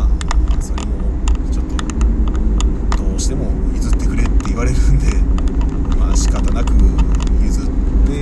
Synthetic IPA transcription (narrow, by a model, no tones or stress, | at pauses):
aso̞ɾe̞mo̞t͡ɕo̞t̪ːo̞ | d̪̥o̞ːɕi̥t̪e̞mo̞izɨt̪ːe̞kɯ̟ɾe̞t̪ːe̞iβaɾe̞ɾɯ̟̃nd̪e̞ | maɕi̥kat̪anakɯ̟mizɨt̪ːe̞